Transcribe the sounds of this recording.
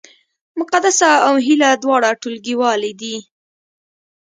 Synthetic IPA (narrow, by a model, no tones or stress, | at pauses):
mʊqad̪asaawɦilad̪wɑɽaʈulɡiwɑlid̪i